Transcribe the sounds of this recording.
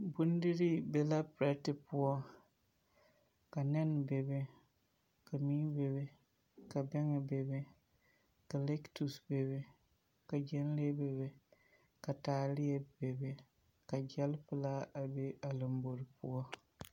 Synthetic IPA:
bu˦n˦di˦ɾi˦bɛ˨la˦pɾɛ˦tɪ˨pʊ˦ɔ˦ | ka˨nɛ˦n˨be˨bɪ˦ | ka˨miː˦be˨bɛ˨ | ka˨bɛ˦ŋɛ˨be˨bɛ˦ | ka˨lɛ˦ktu˨sbe˨bɪ˦ | ka˨d͡ʒɛ˦n˦le˦be˨βɪ˦ | ka˨taː˨lɪ˦jɛ˦˨be˨bɪ˨ | ka˨d͡ʒɛ˦lpɨ˦la˦a˨be˦a˨lɨ˨mbo˨ɾpʊ̰˦ɔ˦

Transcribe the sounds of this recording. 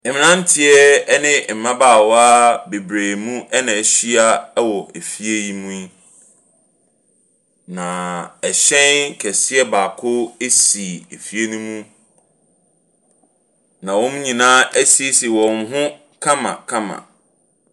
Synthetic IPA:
e˨mɪ̃˨nã˦n˦tʰɪ˨˦ɛ˦nɪ̃˦˨m̩˨mã˦baː˦˨wɔ˦a˦be˨bɾeː˨mũ˦ɛ˦nã˨ɕi˦a˦wɔ˨e˨fi˦e˦ji˦mũ˦i˦ | nã˨ɛ˨ɕɛ̃˦nkʰɛ˨sɪ˦ɛ˦baː˨kʰʊ˦e˦si˨e˨fi˦e˦nũ˦mũ˦ | nã˨wɔ̃˦m˦ɲĩ˨nãː˦ʔæ˦si˦e˦si˨wɔ̃˨m˦ɦʊ̃˦ | kʰã˦mã̰˨kʰã˦mã̰˨

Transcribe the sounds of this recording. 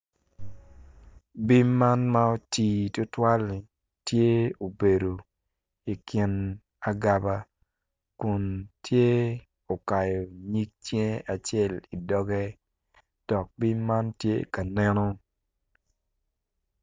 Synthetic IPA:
bi˦ma˦nma˦o˦tiː˨tʊ˦twa˦l | tje˦o˨be˨do˨ | i˨kɪ˨˦n | a˨ɡa˨ba˦ | ku˨ntʰje˦ | o˨ka˨jo˨ɲi˦k̚tje˦a˨t͡ʃe˦˨li˨dɔ˦ɡɛ˦ | d̥ɔ˨k̚bi˦ma˦ntje˦ka˨nɛ˦nɔ˦

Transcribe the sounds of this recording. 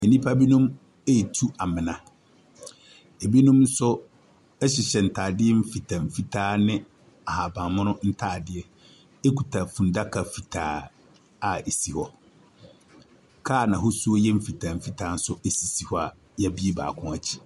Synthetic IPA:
ɛ˨nĩ˦pʰa˦bi˦nũ˦m | e˦ji˨tʰu˦a˨mɪ̃˨nã˨ | e˨bi˦nũ˦mn˦sʊ˦ | ɛ˦ɕɪ˨ɕɛ˨n̩˨tʰaː˨dɪ˦ɛ˦m̩˦fi˨tʰã˨m̩˨fi˦tʰaː˦nɪ̃˦ | a˨ha˨bã˨mʊ̃˦nʊ̃˦n̩˦tʰaː˦˨dɪ˦ɛ˦ | e˦kʰu˨tʰa˨fũ˨n˨da˦kʰa˨fi˨tʰaː˨ | a˨e˨si˨hɔ˦ | kʰaː˦˨nã˨ɦʊ˦su˦o˦jɛ˦m̩˦fi˨tʰã˨m̩˨fi˦tʰaː˦n̩˦sʊ˦e˦si˨si˨hɔ˦a˨ | jɛ˦bi˦e˦ba̰ː˨kʰʊ̃˦a˨t͡ɕʰi̥˦

